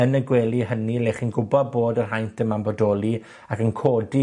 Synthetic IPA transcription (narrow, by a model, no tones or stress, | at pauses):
ənəɡwɛːlˠiɦənileχinɡʊbɔd̚boːdərɦajntəmambɔdɔːlˠi | akənkʰoːdi